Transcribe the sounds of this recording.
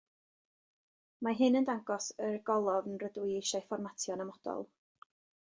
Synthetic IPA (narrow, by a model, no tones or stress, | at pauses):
maɦɨnəndaŋɡɔsərɡɔlˠɔvənrədwiejʃajfɔrmatʰjɔnəmɔd̥ɔ̰lˠ